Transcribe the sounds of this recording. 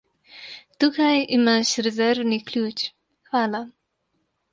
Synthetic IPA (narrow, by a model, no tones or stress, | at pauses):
t̪ukajimaːʃɾɛzɛɾwniklʲuːt͡ʃ | xʋaːla